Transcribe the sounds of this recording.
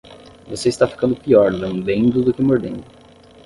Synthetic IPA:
voseist̪afi̥kɐ̃nd̪ʊpiɔɾlɐ̃d̪ẽnd̪ʊd̪ʊkɪmoɾd̪ẽnd̪ʊ

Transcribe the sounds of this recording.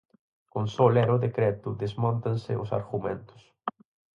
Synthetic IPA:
kõnsɔlɛɾɐʊðekɾɛt̪ʊðezmɔ̃nt̪ɐnsɪʔʊsa̰ɾɣumẽnt̪ʊ̥s

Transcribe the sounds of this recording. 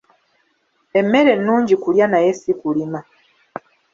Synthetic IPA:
e̞mːe̞ɾe̞nːuːɲɟikuljanaje̞sikulima

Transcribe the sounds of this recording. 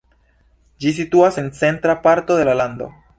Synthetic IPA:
d͡ʒis̬ituase̞nt͡se̞ntɾapaɾto̞de̞lalando̞̰

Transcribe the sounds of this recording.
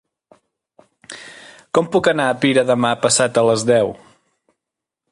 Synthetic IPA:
kɔmpukənaəpiɾəðəmapəsat̪ələzðɛw

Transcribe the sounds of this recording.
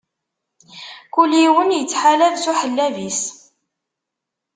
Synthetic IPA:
kuliwənjət͡sːħalævsuħəlːævis

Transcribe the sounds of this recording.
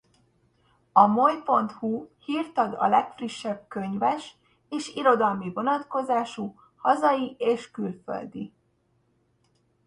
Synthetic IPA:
ɒmo̞jpo̞nt̪huhiːrt̪ɒd̪ɒ̰lɛkfriʃːɛb̚kø̞ɲvɛʃ | eːʃiɾo̞d̪ɒlmivo̞nɒt̪ko̞zaːʃu | hɒzɒjieːʃkylfø̰ld̪i

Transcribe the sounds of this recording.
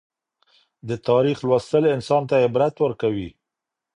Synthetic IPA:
d̪ət̪ɑɾixlwast̪əlɪnsɑnt̪ajebɾat̪wəɾkawi

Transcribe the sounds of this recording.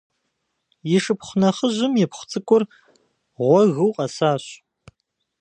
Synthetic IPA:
jɪʂɨpχʷʊnɐχəʑɪmjɛpχʷt͡sʼɨkʷʼʊr | ʁʷɔɣɨwqʼɐsaːɕ

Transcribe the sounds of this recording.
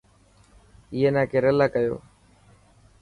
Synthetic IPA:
ɪjeːnãːkeːɾəlaːkəjo̰ː

